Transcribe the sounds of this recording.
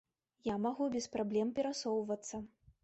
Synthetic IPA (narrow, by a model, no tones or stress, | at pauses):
jamaɣubʲɛspɾablʲɛmpʲɛɾasɔwvɐt̪sːɐ